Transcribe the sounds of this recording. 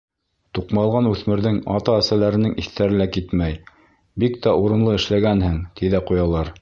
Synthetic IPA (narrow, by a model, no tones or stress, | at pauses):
t̪uqmɑlˠʁɑnʉθmɘ̆ɾðɘŋɑ̰t̪ɑæsælæɾɘ̆nɘŋiθt̪æɾɘ̆lækit̪mæj | bikt̪æuɾɤ̆nlˠɤɘ̆ʃlæɡænhɘŋt̪iðæqujɑlˠɑɾ